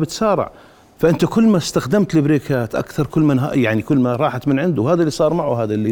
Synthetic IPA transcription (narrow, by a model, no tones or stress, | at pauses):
bɪt̪saːɾˤɪ̰ʕ | faʔɪnt̪akʊlːmast̪axd̪amt̪lɪbɾeːkʰaːt̪ʔa̰kθɑɾˤkʊlːmɪnɦa̰jaʕnikʊlːmaɾˤɑːħat̪mɪnʕɪnd̪ʊhaːðalːiːsˤɑːɾˤmaʕuhaːðalːi